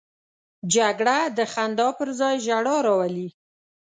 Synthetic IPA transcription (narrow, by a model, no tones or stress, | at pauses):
d͡ʒaɡɽad̪əxand̪ɑpəɾzɑjʒaɽɑɾɑwali